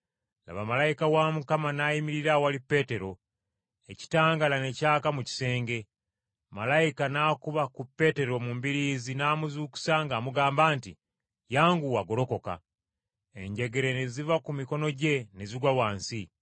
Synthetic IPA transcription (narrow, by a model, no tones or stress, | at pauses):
la̰βamalajikawamukamanajimiɾiɾawalipːe̞te̞ɾo̞ | eci̥taːŋɡalane̞caːkamuci̥se̞ːŋɡe̞ | malajikanaːkuβakupːe̞te̞ɾo̞mumbiɾiːzinaːmuzuːku̥saŋɡaːmuɡaːmbaːntḭ | jaːŋɡuwaɡo̞lo̞ko̞ka̰ | e̞̰ɲɟe̞ɡe̞ɾe̞nezivakumiko̞no̞ɟe̞ne̞ziɡwawaːnsi